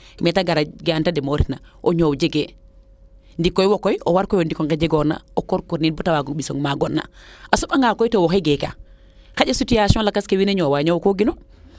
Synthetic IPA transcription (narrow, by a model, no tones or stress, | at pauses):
mɛtaɡaɾaɡantademoɾitnaʔoɲowd͡ʒeɡe | ndikːojwokɔjowaɾkojondikɔŋɡed͡ʒeɡona̰okoɾkoɾninbɔtawaɡoɓiso̰ŋmaɡɔnːa̰ʔasukaŋɡakojtowoxeɡeka̰ | kaɟasutijasɔnlakaskewineɲowaɲowkoɡino